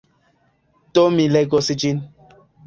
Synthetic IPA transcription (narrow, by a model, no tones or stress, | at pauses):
tomilɛɡosid͡ʒin